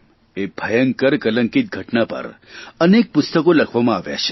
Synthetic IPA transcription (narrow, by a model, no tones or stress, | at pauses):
ebʱɐjə̃ŋkəɾkɐlə̃ŋkit̪̚ɡʱəʈnapə̰ɾənek̚pʊst̪əkolɐkʰʋamãaːʋja̰t͡ʃʰe̥